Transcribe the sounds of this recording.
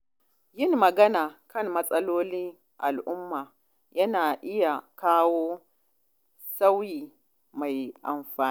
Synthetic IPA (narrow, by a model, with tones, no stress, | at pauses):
jɪ˦˨ŋːɐ˨ɡɐ˦naː˨kɐ˦˨mmɐ˦sʼɐ˦loː˦li˦ | ʔa˨lʔʊ˦mːaː˨ | jɐ˦naː˨ʔɪ˦ja˨kaː˦woː˦ | sa˦wjiː˨ | ma˨jʔa̰˨mɸaː˨˦